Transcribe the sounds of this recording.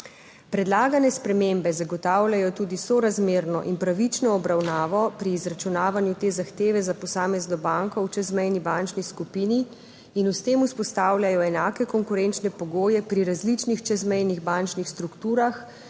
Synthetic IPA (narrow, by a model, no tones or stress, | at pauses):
pɾɛd̪laːɡanɛspɾɛmembɛzaɡɔt̪aːwlʲjajɔt̪uːd̪isɔɾazmeːɾnɔ̰ʔinpɾaʋit͡ʃnɔːbɾawnaːʋɔpɾiːzɾat͡ʃunaːʋanjut̪eːzaxt̪eːʋɛzapɔsaːmɛznɔbaŋkɔwt͡ʃɛzmɛjnibant͡ʃniskupini | inust̪eːmuspɔst̪aːwlʲjajɔɛnaːkɛkɔŋkuɾɛnt͡ʃnɛpɔɡoːjɛpɾiɾazlit͡ʃnixt͡ʃɛzmɛjniɣbant͡ʃnixst̪ɾukt̪uːɾax